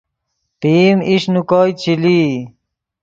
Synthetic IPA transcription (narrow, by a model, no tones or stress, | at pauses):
t̪iːmiʂnukɔːjt͡ɕʰili